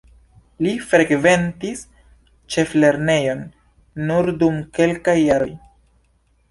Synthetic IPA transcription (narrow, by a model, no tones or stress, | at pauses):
lifɾe̞ɡve̞ntis | t͡ʃe̞fle̞ɾne̞jo̞nː | uɾdumke̞lkajːaɾo̞̰j